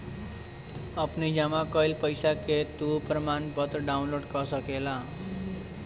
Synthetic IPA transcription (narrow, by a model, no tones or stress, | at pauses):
ʌpnid͡zʌmakʌjlpʌjsaket̪uprʌmanpʌt̪ʌɖawnloɽɖkʌsʌkela